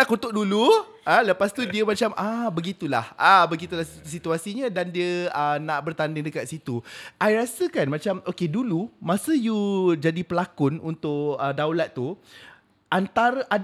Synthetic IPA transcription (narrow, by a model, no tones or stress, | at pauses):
akut̪ʊʔ̚dulu | ələpast̪udiəmãt͡ʃamʔabəɡit̪ulahʔabəɡit̪ulahst̪usit̪uasiɲãdandiəənaʔbərt̪andɪŋdəkat̪̚sit̪uʔajɾasəkanmãt͡ʃamʔokedulumãsəjud͡ʒadipəlakʊnṵnt̪ʊʔədawlat̪ːu | ʔant̪aɾəʔa